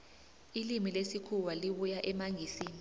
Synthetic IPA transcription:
ilimilesikʰuwaliɓujaʔɛmaŋʱiːsiːni

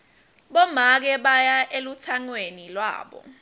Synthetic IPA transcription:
ɓɔmak̬ɛɓajaʔelutʰaŋwenilwa̰ːɓɔ̰

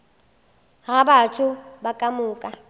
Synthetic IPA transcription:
ɣabat͡ʃʼʊbakʼamʊːkʼa

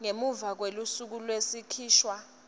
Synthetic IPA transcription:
ŋemuvak̬welusuk̬ulwesikʰiːʃwa

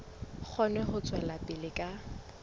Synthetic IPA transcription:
k͡xʰɔnɛχʊt͡sʼwɛlapʼɪlɪkʼa

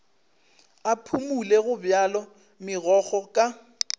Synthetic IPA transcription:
apʰumuleɣʊbjalɔ | mɪɣɔɣɔkʼa

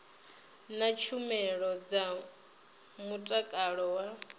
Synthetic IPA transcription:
nat͡ʃʰumɛɺɔd͡za | mutʼakʼaɺɔwa

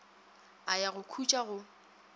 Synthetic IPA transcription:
ajaɣʊkʰut͡ʃʼaɣʊ

